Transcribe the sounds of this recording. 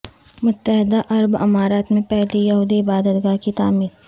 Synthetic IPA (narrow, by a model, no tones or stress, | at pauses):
mʊt̪ːəɦɪd̪aʔɐɾbɐ̰maːɾaːt̪mẽpɛɦlijɐɦuːd̪iɪbaːd̪ət̪ɡaːkit̪aːmiːɾ